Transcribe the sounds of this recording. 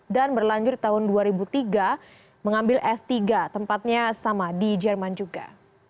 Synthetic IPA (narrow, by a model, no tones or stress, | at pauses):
danbərlaɲd͡ʒʊt̪̚t̪ːaɦʊnduaɾibut̪iɡa | məŋambɪlʔɛst̪iɡat̪əmpat̪̚ɲasamadid͡ʒɛrmand͡ʒuɡa̰